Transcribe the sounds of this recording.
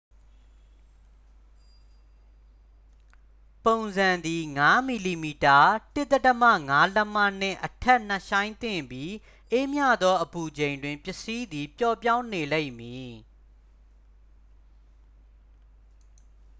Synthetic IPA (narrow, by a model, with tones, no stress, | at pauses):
põ˨ʊ̃nzã˨nd̪i˨ŋa˦mi˨li˨mi˨ta˨tɪ˦ʔt̪ːə˦tə˦mä̰˦˨ŋa˦lə˦mä̰˦˨n̥ɪ̰̃˦˨ʔətʰɛ˦ʔn̥ə˦˨ʃã˦ɪ̃nt̪ɪ̰̃˦˨mbji˦ | ʔe˦mja̰˦˨d̪ðɔ˦ʔəpu˨d͡ʑẽ˨ɪ̃ndwɪ̃˨mpjɪ˨si˦d̪i˨pjɔ˦˨pjã˦ʊ̃ne˨lẽ˦ɪʔmji˨